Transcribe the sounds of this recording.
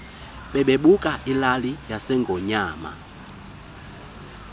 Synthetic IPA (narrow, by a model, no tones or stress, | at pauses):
ɓɛɓeɓukʼaʔilalijasɛŋɡʱɔɲaːma̰